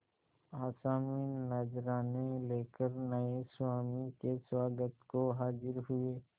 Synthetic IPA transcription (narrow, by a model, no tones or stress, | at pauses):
aːsaːmiːnɐd͡ʒɾaːneleːkəɾnəeswaːmikeswaːɡət̪koɦaːd͡ʒɪɾɦʊeː